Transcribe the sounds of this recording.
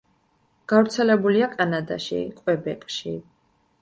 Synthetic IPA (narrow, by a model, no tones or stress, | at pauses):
ɡ̥avɾt̪sʰɛlɛbuliakʼanad̪a̰ʃḭkʼwɛbɛkʼʃi